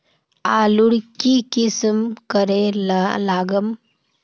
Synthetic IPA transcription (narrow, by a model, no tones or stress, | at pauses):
aluɽkikismkəɾellaɡəm